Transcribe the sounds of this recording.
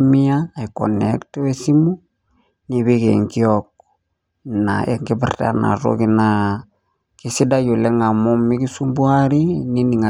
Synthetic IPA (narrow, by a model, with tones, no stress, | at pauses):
mi˦aː˨i˨ko̰˨nḛktwe˦si˦mu˦ | ni˨βi˦ke˨ŋki˦ok̚ | na˨ʔe˨ŋɡi˦bɪ̰rta̰˨na̰˨ro̰ki˦na˨ | ki˦si˦da˦jo˨le˦ŋa˨mo˦mi˦ki˦su˦mbu˦a˦ɾi˦ni˦ni˨ŋa˨